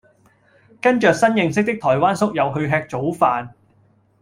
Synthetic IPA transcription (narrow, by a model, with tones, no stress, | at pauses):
kɐ˥nt͡ʃœː˨k̚sɐ˥njɪ˨˧ŋs̬ɪ˥k̚t̪ɪ˥k̚t̪ʰɔː˨˩jwaː˥nsʊ˥k̚jɐ˨˧wɦɵ˧ɥɦɛː˧k̚t͡so˨˥wfaː˨n